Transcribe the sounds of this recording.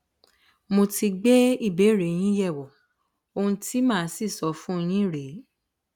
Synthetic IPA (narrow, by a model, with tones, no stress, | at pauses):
mo˧ti˧ɡ͡be˦i˦˨be˨˦˨ɾe˨j̃ĩ˦jɛ˦˨wɔ˨ | o˧hũ˧tʰi˦mãː˦˨˦si˦˨sɔ˨˦fũ˦˧j̃ĩ˦ɾe˨˦